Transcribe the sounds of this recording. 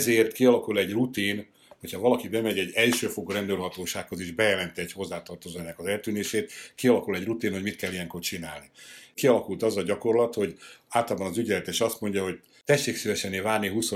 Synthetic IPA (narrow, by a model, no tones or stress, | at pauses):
zeːrt̪kiɒlɒkulɛɟrut̪iːn | ho̞chɒvɒlɒkibɛmɛɟɛɟːɛlʃøːfoɡorɛnd̪ølɦɒt̪oːʃaːkho̞zeːʒbɛjɛlɛnt̪ɛɟho̞zːaːt̪ɒrt̪ozoɛnːɛkɒzɛlt̪yːneːʃeːt̪kiɒlɒkulɛɟrut̪iːnhomit̪kɛlːijɛŋkort͡ʃina̰ːlnikiɒlɒkult̪ɒzɒɟɒko̞rlɒt̪ho̞ɟaːlt̪ɒlbɒnɒzyɟɛlɛt̪eːʃɒst̪mo̞ɲɟɒɦo̞ɟ | t̪ɛʃːeːksivɛʃɛnːeːvaːrniɦuso